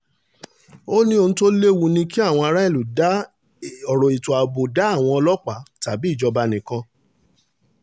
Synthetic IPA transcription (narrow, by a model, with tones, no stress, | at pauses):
o˦nĩ˦o˧nũ˧to˦le˦wu˧nĩ˧ki˦a˦˨w̃ɔ̃˧a˧ɾa˦e˦˨lu˨da˦ | ɔ˨ɾɔ˨i˨to˨a˨bo˨da˦a˦˨w̃ɔ̃˧ɔ˧lɔ˦k͡pa˨˦ta˨bi˨˦˨d͡ʒɔ˧ba˧nĩ˨kã˧